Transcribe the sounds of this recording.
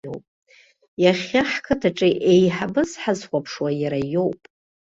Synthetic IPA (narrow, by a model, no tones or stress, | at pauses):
owpʼ | jaχʲaħkʰɨtʰaʈ͡ʂʼiʔejħabɨzħazχʷapʰʂwajaɾajo̞wpʼ